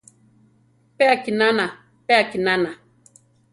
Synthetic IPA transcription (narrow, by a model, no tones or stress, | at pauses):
pɛakinana | pɛakinana